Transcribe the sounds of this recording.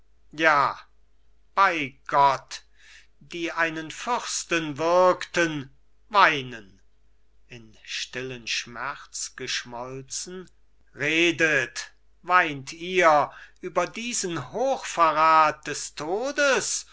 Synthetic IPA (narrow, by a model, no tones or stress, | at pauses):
jaː | b̥aɪɡ̥ɔt | d̥iːʔaɪnənfʏʁstənvɪɐktən | vaɪnən | ɪnʃtɪlənʃmɛʁt͡sɡ̥əʃmɔlt͡sn̩ | ʁeːdət | vaɪntʰiːɐʔyːbɐdiːzənhoːxfaʁaːt̚d̥ɛstʰoːdəs